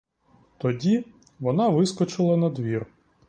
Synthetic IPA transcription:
t̪ɔdʲi | ʋɔnɑʋɪskɔt͡ʃɪlˠɐnɐd̪ʋʲir

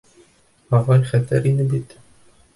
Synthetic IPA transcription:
ɑʁɑlʲχæt̪ɘɾinɘbit̪

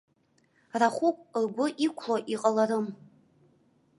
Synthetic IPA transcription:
raχʷukʷʼrɡʷʊʔikʷʰloʔiqʼalaɾɨm

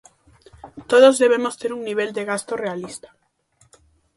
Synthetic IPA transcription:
t̪oð̞ozðeβ̞emost̪eɾuŋniβ̞eld̪eɣ̞ast̪orealist̪ḁ

